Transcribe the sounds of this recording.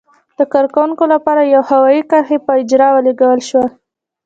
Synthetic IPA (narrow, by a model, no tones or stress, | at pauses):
d̪̥əkɑɾkawuŋkolapɑɾajawhawɑjikaɾxepəɪd͡ʒɾɑwəleɡawəlʃwa